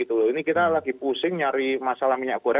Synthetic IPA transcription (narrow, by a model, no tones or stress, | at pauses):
it̪ulɔinikit̪alaɡipusɪŋɲaɾimasalahmiɲaʔkuɾɛ